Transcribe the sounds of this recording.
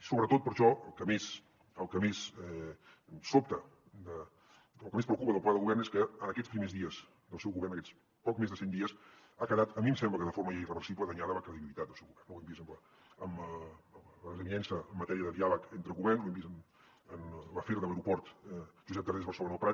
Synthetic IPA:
soβɾət̪ot̪̚pəɾʃɔəlˠkəmes | əlˠkəmesɛ | sop̚t̪ə | d̪ə | lˠkəmespɾəuwkupəðəlpwad̪ðəɣuβɛrneskəənəkɛt͡spɾimezðiəz | d̪əlˠsɛwɣuβɛrnəkɛt͡s | pɔk̚mezðəsɛnd̪iəs | akəðat̪əmiəmsɛmbləkəðəfoɾməjairəβəɾsiβləðəɲaðəməkɾəðiβilit̪at̪̚d̪əlˠsɛwɣuβɛrnuwɛmbisəmlə | əmə | ləzəminɛnsəːmːət̪ɛɾiəðəðialəkent̪ɾəɣuβɛrnsluwɛmbisən | ənləfeɾðələɾupɔɾt̪ʒuzɛt̪̚əɾðezβəɾrsəlonoəpɾa

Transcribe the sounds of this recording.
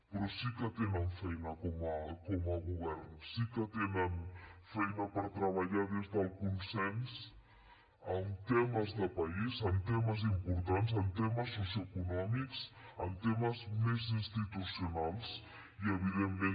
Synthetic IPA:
pɾɔsikət̪enəɱfɛjnəkɔməkɔməɣuβɛrnsikət̪enənfɛjnəpəɾt̪ɾəβ̞əʎaðizðəlˠkunsɛns | əmt̪eməzðəpɐizəmt̪eməzimpuɾt̪anzəmt̪ɛməsːusjuəkunɔmiksə̰mt̪eməzmezinst̪it̪usiunalˠs | iəβiðemːe

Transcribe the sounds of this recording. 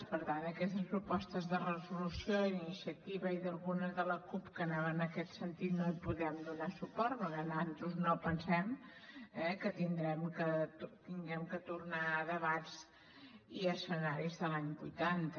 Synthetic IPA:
pəɾt̪and̪əkɛst̪əspɾupɔst̪əzðərəzulusioinisiət̪iβəiðəlˠɣunəzðələkupkənaβənəkɛt̪sənt̪it̪noipuðɾɛmd̪unasupɔɾt̪noanant̪ɾuznopənsɛm | ɛkət̪ind̪ɾɛmkət̪iŋɡɛmkət̪uɾnaðəβatz | iəsənaɾizðəlaɲbujt̪ant̪ə

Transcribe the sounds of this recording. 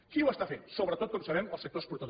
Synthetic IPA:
kiwəst̪afensoβɾət̪ot̪̚kɔmsəβɛməlˠsək̚t̪ospuɾt̪əð

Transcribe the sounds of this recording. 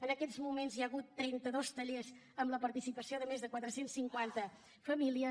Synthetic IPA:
ənəkɛzmumenzjaɣut̪ːɾɛnt̪əðost̪əʎez | əmləpəɾt̪isipəsioðəmezðəkwat̪ɾəsensːiŋkwant̪ə | fəmiliə

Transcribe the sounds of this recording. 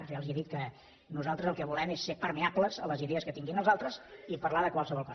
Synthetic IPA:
ʒealˠzieðit̪̚kə | nuzalˠt̪ɾəzəlˠkɛβulɛmesːepəɾmiapləzələziðɛəskət̪iŋɡinəlˠzalˠt̪ɾəzipərlaðəkwalˠsəβɔlˠkɔ

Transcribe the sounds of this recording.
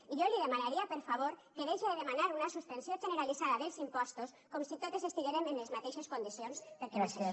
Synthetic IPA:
iʝoliðemãnaɾiapeɾfaβ̞oɾkeðejʃeðeðemãnaɾunasuspensjonʒeneɾaliθaðaðelsimpost̪oskomosit̪oðe̞se̞st̪uβjeɾemenlezmat̪eʃeskond̪iθjonspeɾkeβasee

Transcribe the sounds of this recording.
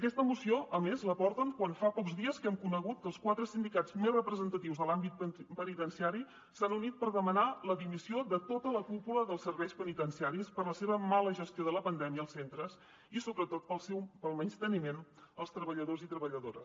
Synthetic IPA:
əkɛst̪əmusioʔəmezləpɔrt̪əŋkwanfapɔkzðiəskɛmkunəɣut̪̚kəlˠskwat̪ɾəsind̪ikad͡zmezrəpɾəzənt̪ət̪iwzðəlambit̪̚pənit̪ənsiaɾi | sanunit̪̚pəɾðəmənaləðimisioðət̪ot̪ələkupuləðəlˠsəɾβɛjspənit̪ənsiaɾispəɾləseβəmaləʒəst̪joðələpənd̪ɛmiəːlˠsent̪ɾəs | isoβɾət̪ot̪̚pəlˠsɛwpəlˠmɛnst̪ənimenəlˠst̪ɾəβəʎəðozit̪ɾəβəʎəðoɾə̰s

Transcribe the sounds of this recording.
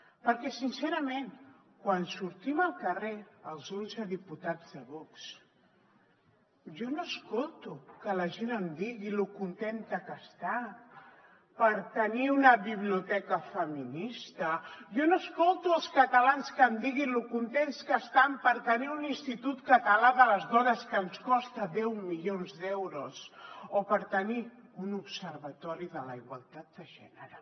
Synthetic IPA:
pəɾkɛsinseɾəmen | kwansuɾt̪iməlˠkəreəlˠzonzəðiput̪ad͡zðəβɔks | ʒonoəskolˠt̪ukələʒenəmd̪iɣilukunt̪ent̪əkəst̪a | pəɾt̪əniunəβiβ̞liut̪ɛkəfəminist̪əjɔnoəskolˠt̪uəlˠskət̪əlanskəmd̪iɣinlukunt̪enskəst̪ampəɾt̪əniuninst̪it̪ut̪kət̪əlaðələzðɔnəskəːnskɔst̪əðɛwmilionzðɛwɾusopəɾt̪əniunupsəɾβət̪ɔɾiðələiɣwa̰lˠt̪at̪̚d̪əʒɛ̰nəɾə

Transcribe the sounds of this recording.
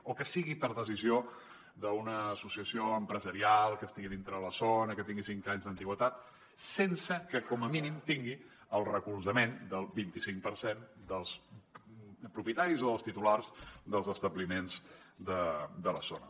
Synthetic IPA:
okəsiɣipəɾðəzizio | d̪əunəːsusiəsioəmpɾəzəɾialˠkəst̪iɣiðint̪ɾəðələzonəkət̪iŋɡisiŋkaɲzðənt̪iɣwət̪at̪̚ | sensəkəkɔməminimt̪iŋɡi | əlˠrəkulˠzəmend̪əlˠβint̪isiŋkpəɾsend̪əlˠs | pɾupjət̪aɾizoðəlˠst̪it̪ularzd̪əlˠzəst̪əβlimenzd̪əd̪ələzonə̰

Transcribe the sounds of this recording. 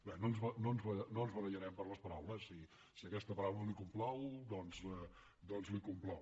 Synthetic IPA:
bɛnonzβənonzβənoənzβəɾəʒəɾɛmpəɾləspəɾawləssːi | siəkɛst̪əpəɾawləlikumplɔwd̪ɔnzə | d̪ɔnzlikumplɔw

